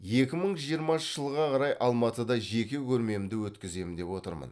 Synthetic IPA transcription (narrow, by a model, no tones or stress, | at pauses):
je̞kʲɪməɴʒijəɾmɑəʒ̥əlˠʁɑqʰɑɾɑjʔɑlˠmɑt̪əd̪ɑʒe̞kʲekʲʰɵɾme̞md̪ɪwɵt̪kʲɪze̞mɪnd̪e̞pwo̞t̪əɾmə̰n